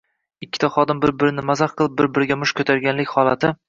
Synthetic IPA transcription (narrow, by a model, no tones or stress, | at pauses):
ɪkʲːɪ̥t̪ʰaχɒd̪ɪmbɪɾbɪɾɪnɪmazaχqʰɨlˠɪp̚bɪɾbɪɾɪɡʲamʊʃkʰɵt̪ʰaɾɡʲanlɪkʲhɒlˠat̪ʰɪ